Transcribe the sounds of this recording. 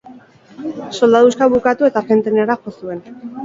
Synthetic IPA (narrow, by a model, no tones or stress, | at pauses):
so̞ld̪aðuskaβukat̪ue̞t̪afe̞nt̪eneɾaxo̞sue̞n